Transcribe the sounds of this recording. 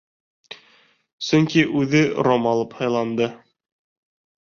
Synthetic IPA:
sɵŋkiʔʉðɘɾomɑlˠɤphɑjlˠɑnd̪ɤ

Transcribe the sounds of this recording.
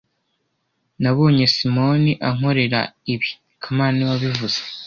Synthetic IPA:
naβo̞ːɲe̞simo̞niʔaŋ̥o̞ɾe̞ɾa̰iβi | kʰamaːniwaβivuz̥e̥

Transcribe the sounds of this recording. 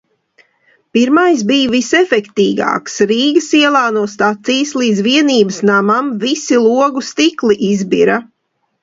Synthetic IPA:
piɾmajs̬bijvisɛfɛkt̪iːɡa̰ːksɾiːɡəsiɛlˠaːnuɔst̪at̪sijslˠiːd̪zviɛniːbəsnamamvisilˠuɔɡust̪iklˠiʔizbiɾa

